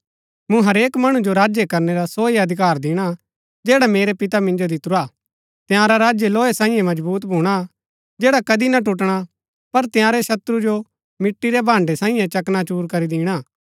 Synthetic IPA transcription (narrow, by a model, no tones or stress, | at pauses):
mũɦɐɾeːkmɐɽ̃ũd͡ʒoɾaːd͡ʒjekɐɾneɾasoːiɐd̪ʱɪkaːɾd̪ɪːɽ̃a | d͡ʒɛːɽameːɾepɪt̪amɪ̃nd͡ʒod̪ɪt̪ɾaː | t̪ɪjãːɾaɾaːd͡ʒjeloːesãːĩjɛ̃mɐd͡ʒbuːt̪bʱuːɽ̃a | d͡ʒɛːɽakɐd̪inaʈuʈ̬ɽ̃a | pɐɾt̪ɪjãːɾeʃɐt̪ɾud͡ʒo | mɪʈːiɾebʱãːɳɖesãːĩjɛ̃t͡ʃɐknat͡ʃuːɾkɐɾid̪ɪːɽ̃aː